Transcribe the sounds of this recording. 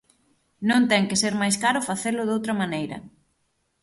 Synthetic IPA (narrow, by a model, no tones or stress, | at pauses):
nõnt̪ɛŋkɪseɾmajskaɾʊfaθelʊðowt̪ɾɐmanejɾɐ̰